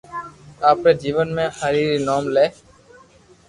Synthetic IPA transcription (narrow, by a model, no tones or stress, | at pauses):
aːpɾeːd͡ʒiːʋənmẽːhəɾiːɾiːnoːmleː